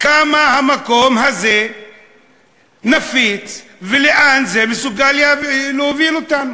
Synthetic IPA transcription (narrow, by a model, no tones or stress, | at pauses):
kamahamakɔmɦazɛ | nafitviliʔanzɛmisuɡalialuvilutan